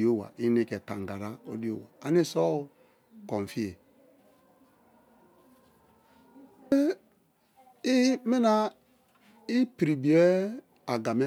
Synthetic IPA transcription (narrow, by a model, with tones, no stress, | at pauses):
o˦˨wa̰˨i˦ne˦ke˨ta˨ŋ˨ɡa˨ɾa˦o˦di˦o˦wa̰˨a˨ne˦˨sɔ˦˨ | kɔ˨ɱ˨fi˦e˨˦ | i˦me˦na˦ | i˦pi˨ɾi˨bi˨e˦ | a˨ɡa˨me˦